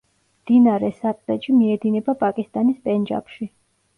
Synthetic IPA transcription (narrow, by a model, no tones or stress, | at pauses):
md̪̥inaɾɛsat̪ʼɾɛʃimiɛd̪inɛbapʼakʼist̪ʼanispʼɛnd͡ʒa̰pʃi